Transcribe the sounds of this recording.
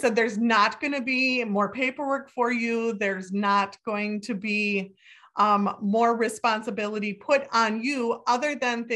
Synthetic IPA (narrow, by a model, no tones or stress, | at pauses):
sɛd̪̚ðə˞znət̚ɡ̥ʌñɨbimɔɹpʰeɪpə˞wɜ˞kfə˞juðə˞znət̚ɡ̥oʊɪ̃ŋtʰɨbi | mɔɹɹɨspɑ̃nsəbɪlˠəɾipʰʊɾn̩juʔʌðə˞ðɨ̃nð